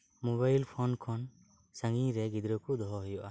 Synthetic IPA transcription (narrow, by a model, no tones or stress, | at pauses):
mɔβajlpʰɔnkʰɔn | saŋiɾɛɡid̪ɾɔkud̪ɔɦɔɦɔjɔʔa